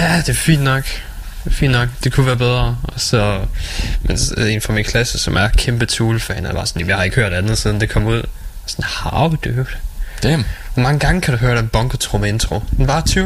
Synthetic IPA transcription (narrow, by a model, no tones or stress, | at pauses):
jæd̥e̝fḭːnd̥nɒ̽ɡ̥ | fḭːnnɒ̽ɡ̥d̥e̝kʰuʋæːɐb̥eð̞ˠʁɐɒ̽sɒ̽ | mʔense̝̰ːnfʁɒminkʰlæsəsɒ̽mæɐkʰemb̥ət͡sʰuːlfɛːnæ̰bɑ̈ːsɒ̽njæmjɑ̈hɑ̈e̝ɡ̥høɐdænð̩ˠsiðˠn̩d̥e̝kʰɒ̽muð̞̰ˠ | sɒnhɑ̈ʊd̥ø̥ːd̥ | ʋɒmɑ̈ŋəɡ̥ɑ̈ŋəkʰæɾ̥uɦøːɐɾ̥enb̥ɒ̽ŋɡ̥ət͡sʰʁoment͡sʰʁo̝d̥enʋɑ̈t͡sʰy